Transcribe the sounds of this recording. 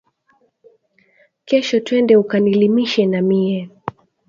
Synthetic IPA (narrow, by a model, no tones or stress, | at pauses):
kɛʃɔtwɛndɛukanilimiʃɛnamiɛ